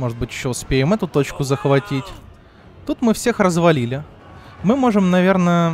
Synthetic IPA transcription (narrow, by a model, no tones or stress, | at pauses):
mo̞ʐɨt̪̚bɨtʲjɪɕːoʊspʲejɪmɛt̪ʊt̪o̞t͡ɕkʊzəxvɐtʲitʲ | t̪ut̪mɨfsʲexrəzvɐlʲilʲɪ | mɨmo̞ʐɨmnɐvʲernə